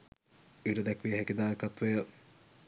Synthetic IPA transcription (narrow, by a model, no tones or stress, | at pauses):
iʈəd̪ɛkʋijəɦɛkid̪aːkat̪ʋɐjə